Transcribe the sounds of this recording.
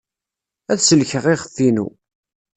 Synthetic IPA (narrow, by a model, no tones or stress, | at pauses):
æðsəlçəʁɪʁəθinṵ